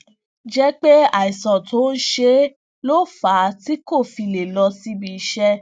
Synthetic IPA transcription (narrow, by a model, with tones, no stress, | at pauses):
d͡ʒɛ˦k͡pe˦a˨i˨sɔ̃˨to˨˦n̩˦ʃe˦ | lo˦fa˨˦ti˦ko˦˨fi˧le˨lɔ˧si˦bi˧˦ʃɛ˦